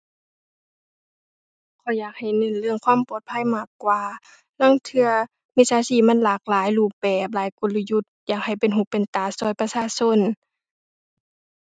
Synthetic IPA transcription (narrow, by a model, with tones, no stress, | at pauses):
kʰɔ˨˧˩jaː˨˩k̚ha˨˩jnɤ˧˥˨nlɯ˧˩əŋkʰwaː˧˥˨mpɔː˨˩t̪̚pʰa˧˥˨jmaː˧˩kːwaː˨˧˦ | la˧˥˨ŋt̪ʰɯ˧ɐ | mi˧˨saː˨˧˦siː˧˩ma˧˥˨nlaː˨˧˩k̚laː˨˦jluː˧˩p̚bɛː˨˩p̬̚laː˨˦jko˧˨lu˧ju˧˩t̪̚jaː˨˩k̚ha˨˩jpe˨nɦuː˧˩pe˨nt̪aː˨˩sɔː˧˩jpa˧saː˧˨so˧˥˨n